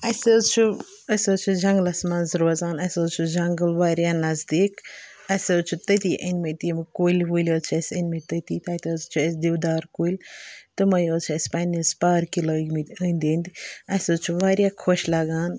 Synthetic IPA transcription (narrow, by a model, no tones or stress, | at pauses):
ɐsʲozt͡ʃʰu | ɐsʲoːt͡ʃʰud͡ʒɐŋɡəlɐsmaːnzɾɐzaːnɐsʲoːzt͡ʃʰud͡ʒɐŋɡəlʋaːɾjaːnɐzd̪iːk | ɐsʲoːt͡ʃʰut̪ət̪iʔɐ̰nʲmɐt̪imkoːilʲʋulʲot͡ʃʰɐsʲɐnʲmɐt̪ət̪iːt̪aːt̪ozt͡ʃʰuɐsʲd̪iwd̪aːɾkoːilʲt̪ɨmɐjoːt͡ʃʰuɐsʲpaːnizpaːɾkiloɡmɨt̪ʲənʲd̪ʲend̪iɐsʲoːzt͡ʃʰuʋaːɾʲjaːkʰoʃlaɡaːn